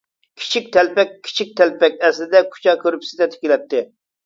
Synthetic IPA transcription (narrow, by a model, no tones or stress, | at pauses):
kʲʰi̥t͡ʃʰik̚ʲt̪ʰɛlpɛkʲʰːi̥t͡ʃʰik̚ʲt̪ʰɛlpɛkʲɛslɪd̪ɛkʰu̥t͡ʃɑkʲʰøɾypsɪ̥d̪ɛt̪ʰɪ̥kʲilɛt̪ːɪ